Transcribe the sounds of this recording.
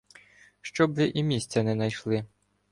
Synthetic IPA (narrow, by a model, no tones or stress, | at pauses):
ʃt͡ʃɔbʋɪʔimʲisʲt͡sʲɐnɛnɐjʃlˠɪ